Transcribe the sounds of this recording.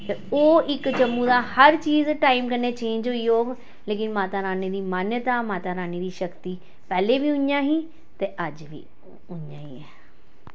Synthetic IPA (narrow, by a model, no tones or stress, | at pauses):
t̪ɐoːɪkt͡ɕɐmũd̪ahɐɾt͡ɕiːzʈaːɪmkɐnet͡ɕẽːɲd͡ʑoɪjoː | leːkɪnmaːt̪aɾaːnid̪iːmaːnjət̪amaːt̪aɾaːnid̪iːʃɐkt̪i | pɛːlebʱiʊ̃njãːɦĩ | t̪ɐʔɐd͡ʑbḭ | ʊɲja̰ːiɛː